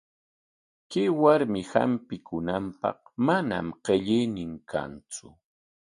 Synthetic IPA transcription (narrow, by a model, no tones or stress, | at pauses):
kɪwaɾmɪha̰mpɪkʊnampɑ̰χmana̰mqeʎɪjnɪŋkʰa̰nt͡sʊ